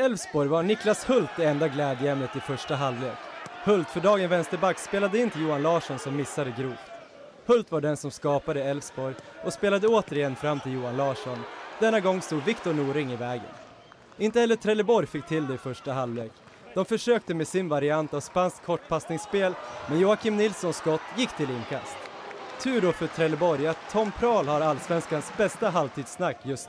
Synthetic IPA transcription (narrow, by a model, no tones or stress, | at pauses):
ɛlvsbɔɾjvaɳɪklashɵlt̪̚d̪ɛɛnd̪aɡlɛːd̪jəjɛmnət̪ɪfœʂʈaɦallḛːkhɵlt̪fœɖɑːɡənvɛnst̪əɾbakːspeːlad̪əɪnt̪ʰɪljuːanlɑːʂɔnsɔmːɪsːad̪əɡɾuːft̪ | hɵlt̪vaɖɛnsɔmskɑːpad̪əɛlvsbɔɾjɔspeːlad̪əoːt̪əɾɪjɛnfɾamːt̪ʰɪljuːanlɑːʂɔnd̪̥ɛnːaɡɔŋːst̪uːd̪vɪkt̪ʊɳuːɾɪŋːɪvɛːɡə̰n | ɪnt̪əhɛlːət̪ʰɾɛlːəbɔɾjfɪk̚ːt̪ʰɪld̪ɛfœʂʈaɦalːveːk | d̪̥ɔmfœʂøːk̚t̪əmesɪnvaɾɪant̪avspanskʰːɔʈːpʰasnɪŋsːpeːlmɛnjuːakʰɪmnɪlsɔnsɡɔt̪ːjɪkːt̪ʰɪlɪnkʰast̪ʰː | ʉ̟ːɖɔfœʈ̪ʰɾɛlːəbɔɾjat̪ʰːɔmːpʰɾɑːlhaɾalsvɛnskansbɛst̪aɦalt̪ʰiːd̪snakːjɵst̪ː